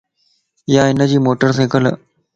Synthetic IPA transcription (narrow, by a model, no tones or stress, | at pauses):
jaːɪnəd͡ʑiːmoːʈəɾs̬ẽːkəl